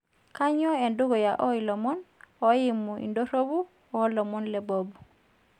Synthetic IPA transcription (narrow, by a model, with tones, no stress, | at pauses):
ka˦ɲɔ˦e˨ndu˦ɡɔ˨ja˨ʔɔ˦i˨lɔ˨mɔ˦nɔ˨ji˦mu˨ʔḭ˨ndo˦ɾo˦bu˦ | ɔ˦lɔ˨mɔ˦nlɛ˨bo˨bu˨